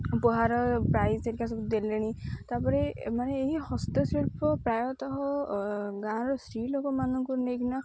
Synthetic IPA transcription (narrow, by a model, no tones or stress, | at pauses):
bɔɦaɾɔpɾajseɾkasɔkud̪eleɽ̃it̪apɔɾemaneːɦihɔst̪ɔsiɭpɔpɾajɔt̪ɔɦɔ | ɡãɾɔsɾilokɔmanɔŋkuneɡna